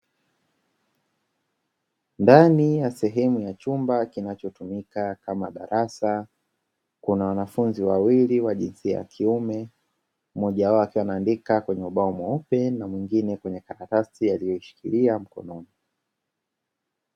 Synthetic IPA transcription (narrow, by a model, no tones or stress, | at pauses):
ndanijasɛɦɛmujat͡ʃumbakinat͡ʃɔtumikakamaɗaɾasa | kunawanafunziwawiliwaʄinsia̰ja̰kʰiumɛ | mɔʄaaɔakiwanaːndikakwɛɲɛuɓaɔmɔupɛnamwiŋɡinɛkwɛɲɛkaɾatastijalijɔiʃi̥kḭliam̩kɔ̰nɔni